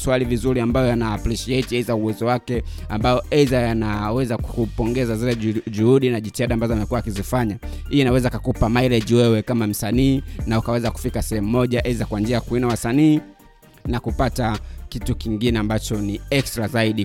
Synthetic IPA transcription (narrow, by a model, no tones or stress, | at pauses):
swalivizuɾiambajɔjanaːpliʃiɛtiɛzauwɛzɔwakɛ | ambajɔʔɛzajanawɛzakupɔŋɡɛzazilɛʄuhuɗinaʄitihaɗaːmbazɔamɛkuwaːkizifaɲa | hiinawɛzakakupamaiɾɛd͡ʒiwɛwɛkamam̩saniːnaukawɛzaku̥fikasɛhɛmumɔʄaʔɛzakwand͡ʒiajakuinawasaniː | nakupatakitukiŋɡinɛambat͡ʃɔniɛkstɾazaiɗi